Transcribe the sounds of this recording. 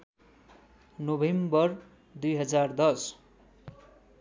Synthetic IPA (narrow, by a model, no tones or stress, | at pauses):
nobʱembʌr | d̪ujɦʌd͡zard̪ʌs